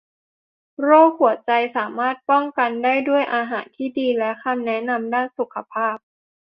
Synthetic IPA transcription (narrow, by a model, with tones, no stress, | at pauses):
ɾoː˥˩k̚hu˨˩ət̪̚t͡ɕa˧jsaː˩˦maː˥˩t̪̚pɔ˥˩ŋka˧ndaː˥˩jdu˥˩əjʔaː˧ɦaː˩˦nt̪ʰiː˥˩diː˧lɛ˦˥kʰa˧mnɛ˦˥na˧mdaː˥˩nsu˨˩kʰːa˧pʰaː˥˩p̚